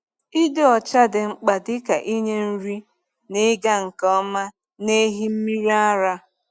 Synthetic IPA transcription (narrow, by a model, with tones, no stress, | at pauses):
i˦de˦ɔ˨t͡ʃa˦dɪ˨ŋ͡m̩˦k͡pa˨dɪ˦ka˨ʔi˦ɲe˦n̩˦ɾi˦ | nɪ˦ɡa˦ŋ̩˨kɔ˦ma˦ | ne˦ɦi˦m̩˦mi˦ɾi˦a˦ɾa˦